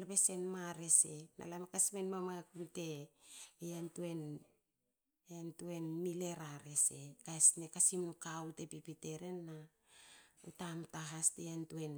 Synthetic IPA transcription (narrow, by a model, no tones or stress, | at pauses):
lpese̞nmaɾe̞se̞nʔa̰lamekasmenmamakunte̞ | antuen | antue̞nmile̞ɾaɾe̞se̞kaesnekasimnukaute̞pipite̞ɾe̞nːa | utamtaɦastejantue̞n